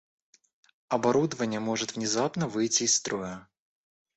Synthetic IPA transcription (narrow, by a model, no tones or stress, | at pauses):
ɐbɐɾud̪əvənʲɪjəmo̞ʐɨt̪vnʲɪzapnəvɨjtʲɪːst̪ɾojə